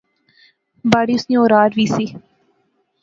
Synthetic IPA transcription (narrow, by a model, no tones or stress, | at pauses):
baːɽiːʊsnĩːoːɾaːɾʋiːsi